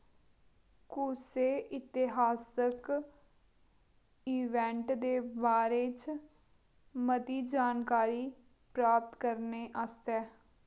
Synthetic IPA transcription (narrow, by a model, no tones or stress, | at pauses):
kuseːʔɪt̪ɪɦaːsək | iːʋɛ̃ːɳʈd̪eːbaːɾeːt͡ʃ | mət̪iːd͡ʒaːnkaːɾiː | pɾaːp̚t̪kəɾneːʔast̪ɛː